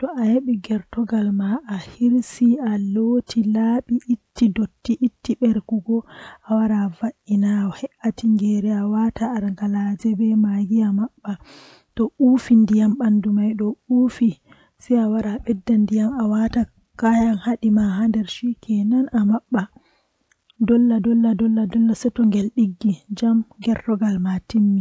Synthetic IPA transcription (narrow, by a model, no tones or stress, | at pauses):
tɔajeɓiɡɛɾtɔɡalmaːhiɾsialotʰilaɓiʔitːidotːiʔitːiɓɛɾkuɡɔʔawaɾavaʔinaɔhɛʔatiŋɡɛɾɛawataːɾŋɡalad͡ʒɛbɛmaɡiamaɓːa | tɔʔufindijamɓandumajɗɔufi | sɛawaɾaɓɛdːandijamawata | kajanhaɗimaɦandɛɾʃikʰɛnanamaɓːa | dɔlːadɔlːadɔlːadɔlːasɛtɔŋɡɛlɗiɡːid͡ʒamŋɡɛrdɔɡalmatimːi